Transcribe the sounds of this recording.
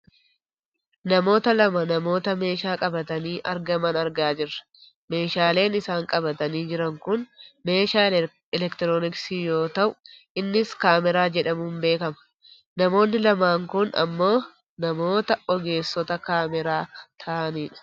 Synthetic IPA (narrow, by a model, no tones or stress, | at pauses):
nɐmo̞ːt̪ɐlɐmɐnɐmo̞ːt̪ɐme̞ːʃaːkʼɐbɐt̪ɐniːʔɐɾɡɐmɐnɐɾɡaːd͡ʒɪrːɐ̥ | me̞ːʃaːle̞ːnɪsaːŋkʼɐbɐt̪ɐniːd͡ʒɪɾɐŋkʊnme̞ːʃaː | ɛlɛkt̪ɪɾoːnɪksiːjo̞ːt̪ɐʔʊʔɪnːɪskaːmɛɾaːd͡ʒɛᶑɐmuːmbe̞ːkɐmɐ̥ | nɐmo̞ːnːɪlɐmaːŋkʊnɐ̰mːo̞ː | nɐmo̞ːt̪ɐʔɔɡe̞ːsːɔt̪ɐkaːmɛɾaːt̪ʰɐʔɐniːᶑɐ̥